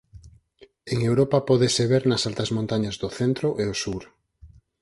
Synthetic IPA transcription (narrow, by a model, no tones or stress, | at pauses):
eŋewɾopapɔðeseβeɾnasalt̪ɐzmõnt̪aɲazðoθent̪ɾoʔeosuɾ